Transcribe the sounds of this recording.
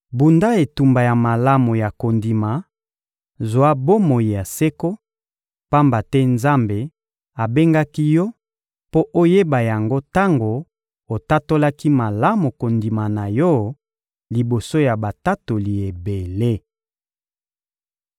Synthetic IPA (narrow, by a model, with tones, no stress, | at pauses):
bu˨nda˦e˨tu˨mba˨ja˨ma˨la˦mo˨ja˨ko˨ndi˨ma˨ | zo˨a˦bo˦mo˨ji˨ja˨se˦ko˦ | pa˦mba˨tɛ˦nza˦mbe˨ | a˨be˦ŋɡa˦ki˦jɔ˦ | po˦ʔo˦je˦ba˨ja˨ŋɡo˦ta˦ŋɡo˨ | o˨ta˦to˦la˦ki˦ma˨la˦mo˨ko˨ndi˨ma˨na˨jɔ˦ | li˨bo˨so˦ja˨ba˨ta˦to˨li˨e˨be˨le˦